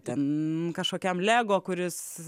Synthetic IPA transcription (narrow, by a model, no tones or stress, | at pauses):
t̪ʲɛnkɐʃkoːkʲɛmlʲæːɡoːkʊɾʲɪs